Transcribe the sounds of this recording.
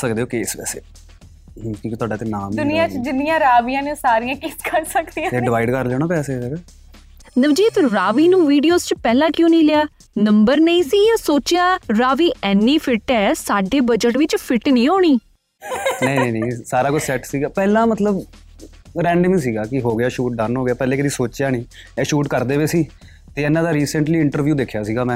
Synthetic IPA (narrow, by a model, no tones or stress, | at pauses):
səkd̪eːoːkeːsʋɛ̰ːsḛː | kĩːkit̪ʊaːɖaːt̪enaːmd̪ʊnɪjãːt͡ʃd͡ʒɪnijãːɾaːʋijãːnesaːɾijãːkiskəɾsəkd̪iːãːeɖɪʋaːɪɖkəɾlɛːñaːpɛːseːɛɾ | nəʋd͡ʒiːt̪ɾaːʋiːnũːʋiːɖijoːzt͡ʃpɛːlãːkjõːnĩːlɪjaː | nəmbəɾnəĩːsiːjãːsoːt͡ʃjãːɾaːʋiːʔɛːnːiːpʰɪʈɛːsaːɖeːbəd͡ʒəʈʋɪt͡ʃpʰɪʈnĩːɦoːɽ̃iː | nə̃ĩnə̃ĩːnẽːsaːɾaːkot͡ʃsɛːʈsiːɡaːpɛːlãːmət̪ləb | ɾɛ̃ːɳɖəmĩːsiːɡaːkɪɦoːɡɪjaːʃuːʈ̚ɖəɾnɦoːɡɪjaːpɛːleːkəd̪iːsoːt͡ʃjaːnĩː | ɛːʃuːʈkəɾd̪eːʋeːsiː | t̪eːɛːnãːd̪aːɾiːsəɳʈliːɪɳʈəɾʋjuːd̪ekʰːjaːsiːɡaːmɛ̃ː